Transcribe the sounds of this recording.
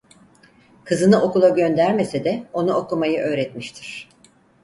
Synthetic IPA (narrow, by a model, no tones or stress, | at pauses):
kʰɯzɯnɯʔo̞kulˠaɟø̞nd̪æɾme̞sed̪ɛo̞nuo̞kumajɯʔø̞ːɾɛt̪miʃt̪ʰiɾ̥